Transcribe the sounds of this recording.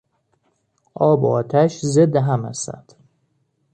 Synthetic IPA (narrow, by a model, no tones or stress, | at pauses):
ʔɒːboɒːt̪ʰæʃzed̪ːeɦæmæ̰st̪æ̰nd̪̥